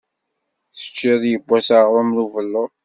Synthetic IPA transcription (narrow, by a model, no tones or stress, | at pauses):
θə̥t͡ʃːiðjəbːæsaʁɾˤomluvəlːʊ